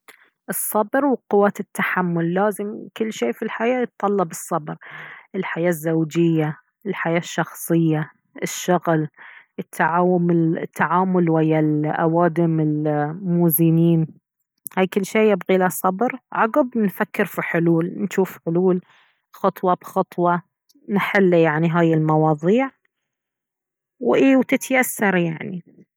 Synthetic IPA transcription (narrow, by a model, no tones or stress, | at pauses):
ʔɨsˤːɑbɾwɪqʊwːaːt̪ɪt̪ːaħamːʊlːaːzɪmkɪlːʃeːfilħajaːjɪt̪̚ˤːɑlːɑbɨsˤːɑbɾʔɪlħajaːzːawd͡ʒɪjːa | ɪlħajaːʃːɑxsˤɨjːa | ʔɪʃːʊɣl | ɪt̪ʰːaʕaːwʊmɪt̪ʰːaʕaːmʊlwajːalʔa̰waːd̪ɪmɪlmuːzɪniːn | haːjkɪlːʃeːjɪbɣilasˤɑbɾʕɑɣɪbnfakːɪɾfiħʊluːlnʃuːfħʊluːl | xɑt̪ˤwɑbxɑt̪ˤwɑ | nħɪlːjaʕniɦaːjɪlmɑwɑːðˤiːʕ | wʔeːwt̪ɪt̪jasːɑɾˤjaʕni